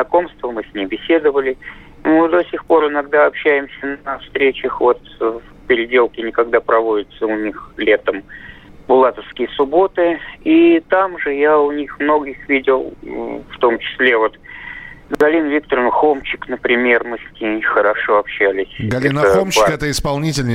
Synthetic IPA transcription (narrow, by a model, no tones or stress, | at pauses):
znɐko̞mst̪vəmɨsʲnʲembʲɪsʲe̞d̪əvəlʲɪ | nod̪o̞sʲɪxpo̞ɾɨnɐɡd̪aɐpɕːæjɪmsʲənəfst̪ɾʲet͡ɕəxvo̞t̪fpʲɪɾʲɪdʲelˠkʲɪnʲɪkɐɡ̚d̪apɾɐvo̞dʲɪt̪səʊnʲixlʲe̞t̪əmbʊlˠat̪əfskʲɪjəsʊbo̞t̪ɨit̪amʐɨjaʊnʲixmno̞ɡʲɪxvʲidʲɪlˠft̪o̞mt͡ɕɪ̥sʲlʲe̞vot̪ | ɡɐlʲinvʲik̚t̪əɾnəxo̞mt͡ɕːɪknəpɾʲɪmʲe̞rmɨsʲkʲixəɾɐʂo̞ɐpɕːælʲɪsʲɡɐlinəomt͡ɕːɪkɛt̪əɪspɐlˠnʲitʲɪlʲnʲɪ